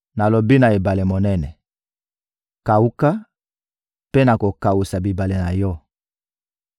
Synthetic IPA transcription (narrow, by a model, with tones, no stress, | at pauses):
na˨lo˨bi˦na˨e˨ba˨le˨mo˨nɛ˦nɛ˨ | ka˨u˦ka˦ | pe˦na˨ko˨ka˨wu˨sa˨bi˨ba˨le˨na˨jɔ˦